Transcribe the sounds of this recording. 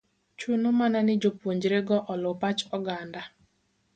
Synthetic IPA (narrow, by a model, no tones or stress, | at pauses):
t͡ʃunomananɪd͡ʒopwoɲd͡ʒɾeɡɔʔɔlɔpat͡ʃɔɡanda